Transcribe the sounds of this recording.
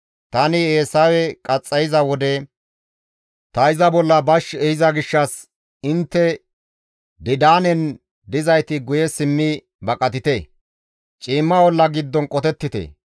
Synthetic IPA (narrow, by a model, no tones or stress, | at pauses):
t̪ɐnɪeːsɐwɛkʼɐt͡sʼːɐjɪzɐwɔd̪ɛ | t̪ɐɪzɐbɔlːɐbɐʃɛjɪzɐɡɪʃːɐs | ɪnt̪ːɛ | d̪ɪd̪aːnɛn | d̪ɪzɐjt̪ɪɡʊjɛsɪmːɪ | bɐkʼɐt̪ɪt̪e | t͡ʃʼiːmːɐwɔlːɐɡɪd̪ːɔnkʼɔt̪ɛt̪ːɪt̪ḛ